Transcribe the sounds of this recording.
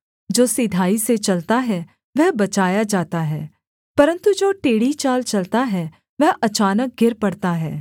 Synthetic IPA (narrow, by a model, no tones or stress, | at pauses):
d͡ʒoːsɪd̪ʱaːiset͡ʃɐlt̪aɦɛː | ʋɛɦbɐt͡ʃaːjad͡ʒaːt̪aɦɛː | pɐɾə̃nt̪ud͡ʒoːʈeːɽit͡ʃaːlt͡ʃɐlt̪aɦɛː | ʋɛɦɐt͡ʃaːnək̚ɡʱɪɾpɐɽt̪aɦɛ̰ː